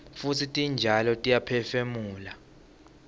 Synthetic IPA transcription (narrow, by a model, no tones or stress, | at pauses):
futʰitʼind͡ʒʱalɔtʼijapʰɛfemuːla